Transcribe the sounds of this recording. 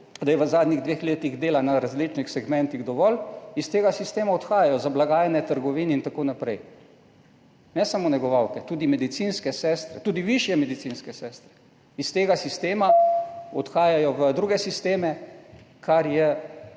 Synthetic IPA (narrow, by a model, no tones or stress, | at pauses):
d̪ajɛʋəzaːd̪niɣd̪ʋeːxleːt̪iɣd̪eːlanaɾazlit͡ʃnixsɛɡmɛ̃nt̪iɣd̪ɔʋɔlist̪eːɡasist̪eːmaɔt̪xaːjajɔzablaɡaːjɛnɛt̪əɾɡɔʋiːnɛint̪akoːnapɾɛj | nɛsamonɛɡɔʋawkɛt̪uːd̪imɛd̪it̪sinskɛsɛst̪ɾɛt̪uːd̪iʋiʃjɛmɛd̪it̪sinskɛsɛːst̪ɾɛ̥ | ist̪eːɡasist̪eːmaɔt̪xaːjajɔʋəd̪ɾuːɡɛsist̪eːmɛ | kʰaɾjɛ